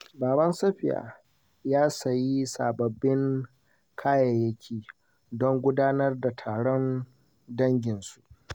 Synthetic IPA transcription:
baː˨bɐ˦nsɐ˦ɸɪ˨ja̰ː˨ | jaː˦sɐ˨ji˦saː˨bɐ˨bːɪ˦ŋ | kʰaː˦jɐ˨jɐ˦kʲʰiː˨ | dɔ˦ŋɡʷʊ˦daː˦nɐ˦rda˨tʰaː˨ɽɔ˦n | dɐ˦ŋɡʲɪ˨nsu˨ʔ

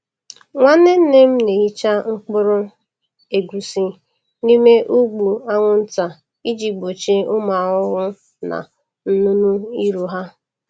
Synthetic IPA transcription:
ŋʷa˦ne˦n̩˦ne˦m̩˦ne˨i˦t͡ʃa˦ŋ̩˦k͡pʊ˦ɾʊ˦ | e˨ɡʷu˨si˦ | ni˦me˦ʔu˦ɡ͡bu˨a˦ŋʷʊ˦n̩˦ta˨ | i˦d͡ʒi˨ɡ͡bo˨t͡ʃe˦ʊ˦ma˨ʊ˦ɣʊ˦ | na̰˨ | n̩˦nu˦nu˦i˦ɾu˨ɦa˦

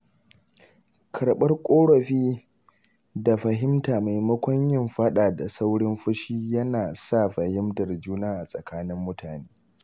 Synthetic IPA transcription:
kʰɐ˨ɽɓɐ˦rkʷʼoː˦ɽɔ˨ɸiː˦ | da˨ɸɐ˨ɦɪ˦mtaː˨ma˨jmɐ˦kʷɐ˦ɲjɪ˦mɸɐ˦ɗaː˨da˨sa˦wɽɪ˦mɸʊ˦ʃiː˦jɐ˦naː˨sa˦˨ɸɐ˨hɪ˦mtɐ˨rd͡ʒuː˦naː˦ʔa˨sʼɐ˨kaː˦nɪ˦mːʊ˦tʰaː˨neː˦

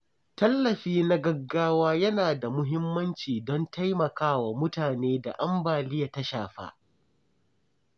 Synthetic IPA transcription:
tɐ˦lːɐ˨ɸiː˦na˦ɡɐ˦ɡːaː˦waː˦jɐ˦naː˨da˨mʊ˦ɦɪ˦mːɐ˦nt͡ʃiː˨dɔ˦ntʰa˦jmɐ˨kaː˦wa˨mʊ˦taː˨neː˦da̰˨ʔa˦mbaː˨lɪ˦ja˨ta˦ʃa̰ː˨ɸa̰ː˦

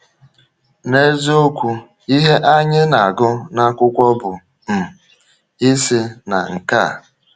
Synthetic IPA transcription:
ne˦zo˦kʷu˦ | i˦ɦe˦ʔa˦ɲɪ˦na˨a˨ɡʊ˦na˦kʷʊ˦kʷɔ˦bʊ˨ | m̩˨ | i˦sɪ˦na̰˨ŋ̩˨ka˦˨

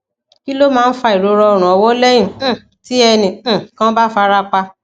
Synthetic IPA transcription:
ki˦lo˦mãː˦˧n̩˦fa˧i˨ɾo˧ɾɔ˧ɔ˨ɾ̃ũ˨ɔ˧wɔ˦lɛ˦j̃ĩ˦˨˦ | ti˨˦ɛ˧nĩ˨˦˨kã˦ba˦fa˧ɾa˦k͡pa˧

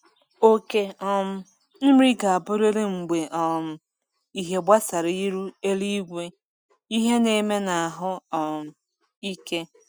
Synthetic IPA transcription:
o˦ke˦ɔ˦m̩˦ | n̩˦ɾi˦ɡa˨a˨bʊ˦ɾe˦ɾe˦ŋ͡m̩˨ɡ͡be˨ʔɔ˨m̩˦ | i˨ɦe˨ɡ͡ba˦sa˨ɾi˦i˦ɾu˦e˦li˦ɡʷe˦ | i˦ɦe˦ne˨˦me˦na˨a˨ɦʊ˦ɔ˨m̩˨ | i˦ke˦

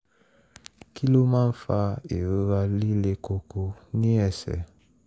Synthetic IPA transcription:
ki˦lo˦mã˦n̩˦fa˧e˨ɾo˦ɾa˦li˦le˦ko˧ko˦nĩ˦ɛ˨sɛ̰˨

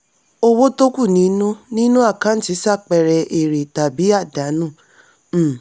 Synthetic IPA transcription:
o˦wo˦to˦ku˦˨nĩ˨˦nũ˦nĩ˦nũ˦a˦˨kã˦n̩˦ti˨˦sa˦˨k͡pɛ˨ɾɛ˨ʔe˨ɾe˨ta˨bi˨˦a˦˨da˨˦nũ˦˨˦

